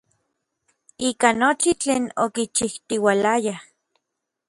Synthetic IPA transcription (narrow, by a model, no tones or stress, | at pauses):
iːkanot͡ʃit͡ɬeːnokit͡ʃiht̪iwalaja